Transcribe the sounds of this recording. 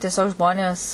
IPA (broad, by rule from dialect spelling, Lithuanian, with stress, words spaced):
tʲiɛˈsʲoːk ˈʒmoːnʲeːs